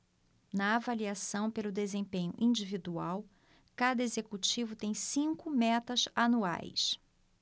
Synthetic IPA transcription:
nɐavaliasɐ̃w̃pelʊd̪ezẽpẽɲʊ̰ʔĩd͡ʒivid̪uaw | kad̪ɐezekut͡ʃivʊt̪ẽj̃sĩŋkʊmɛt̪ɐzanua̰js

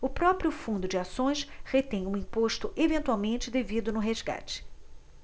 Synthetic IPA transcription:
ʊpɾɔpɾiʊfũnd̪ʊd͡ʒɪasõj̃sχet̪ẽj̃ũĩpoʃt̪ʊʔevẽnt̪uawmẽnt͡ʃɪd̪evid̪ʊnʊɦezɡa̰t͡ʃɪ̥

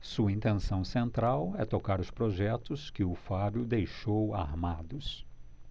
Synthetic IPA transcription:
suɐĩnt̪ẽsɐ̃w̃sẽnt̪ɾawɛt̪okaɾʊspɾoʒɛt̪ʊskɪʊfabjʊd̪ejʃowa̰ɾmad̪ʊs

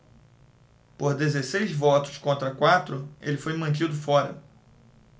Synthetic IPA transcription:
poɾd̪ezesejzvɔt̪ʊ̥skõnt̪ɾɐkwat̪ɾʊḛlɪfojmɐ̃nt͡ʃid̪ʊfɔɾɐ̰

